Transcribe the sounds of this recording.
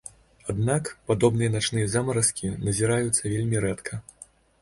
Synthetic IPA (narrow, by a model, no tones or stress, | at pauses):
ad̪nakpad̪ɔbnɨjɐnat͡ʂnɨjɐzamɐɾɐskʲinɐzʲiɾajut̪sːɐvʲelʲmʲiɾɛt̪kʰɐ